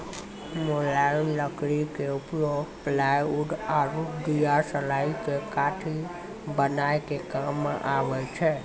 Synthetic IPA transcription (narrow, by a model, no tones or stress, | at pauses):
molanləkɾikeupjoɡplajuɖaɾud̪ijaɾsəlaikekaʈʰi | bənajkekamːã̰ʔaʋət͡ʃʰe